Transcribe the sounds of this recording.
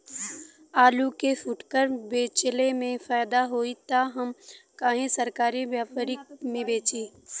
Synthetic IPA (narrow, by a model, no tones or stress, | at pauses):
aːlukefʊʈkəɾbeːt͡ʃlemẽfaːjd̪aɦoːit̪aɦɐmkaːɦẽsɐɾkaːɾibjaːpaɾimẽbeːt͡ʃiː